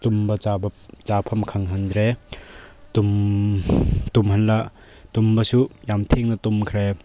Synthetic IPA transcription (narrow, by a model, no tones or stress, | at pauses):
tumbɐabt͡ʃapʰɐmkʰɐŋɦɐnd̪ɾe | t̪um | t̪umhɐnla | t̪umbɐsujamt̪ʰeŋnɐt̪umkʰɾe